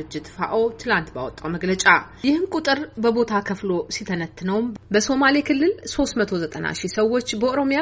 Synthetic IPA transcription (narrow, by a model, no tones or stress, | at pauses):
ɨd͡ʒːɪt̪fa̰ʔo̞t̪ʰɨlant̪bawɔt̪ʼːawməɡlət͡ʃʼa | jɪhɨnkʼut̪ʼɨɾbəbo̞t̪ʰakʰəflo̞sit̪ʰənət̪ʰːɨnəwmbəso̞malekʰɨlːɨlso̞st̪mət̪ʰo̞zət̪ʼəna̰ʃisəwːo̞t͡ʃːbəʔoɾo̞mija